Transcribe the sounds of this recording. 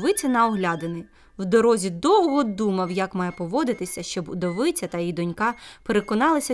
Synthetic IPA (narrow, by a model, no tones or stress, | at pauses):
ʋɪt͡sʲɐnɐɔɦlʲad̪enɪ | wd̪ɔɾɔzʲid̪ɔwɦɔd̪umɐwjɐkmɑjɛpɔʋɔd̪ɪt̪ɪsʲɐʃt͡ʃɔbʊd̪ɔʋɪt͡sʲɐt̪ɐjijd̪ɔnʲkɑpeɾekɔnɑlˠɐsʲɐ